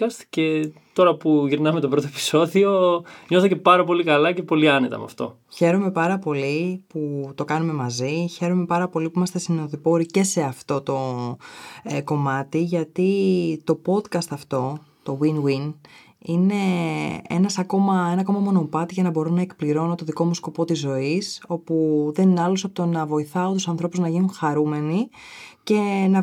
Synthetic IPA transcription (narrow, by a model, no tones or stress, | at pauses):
kɐst̪i̥ce | t̪o̞ɾɐpuʝiɾnɐmet̪o̞bɾo̞t̪oepi̥so̞ðio̞ɲoθɐce̞pɐɾɐpo̞likɐlɐce̞po̞liɐne̞t̪ɐ̰m̰ɐ̰ft̪o̞̰ | çe̞ɾome̞pɐɾɐpo̞liput̪o̞kɐnume̞mɐziçe̞ɾome̞pɐɾɐpo̞lipuimɐst̪esinoðipo̞ɾice̞se̞ɐft̪o̞t̪o̞ | ko̞mɐt̪iʝɐt̪it̪o̞po̞d̪kɐst̪ɐft̪o̞ | t̪o̞winwin | ine̞e̞̰nɐsɐko̞mɐe̞nɐko̞mɐmo̞no̞pɐt̪iʝɐnɐbo̞ɾunɐekpliɾo̞not̪o̞ðiko̞musko̞pot̪izːo̞iso̞puðe̞ninɐlosɐpot̪onɐvo̞iθɐot̪usɐnθɾo̞puznɐʝinunxɐɾume̞nice̞nɐ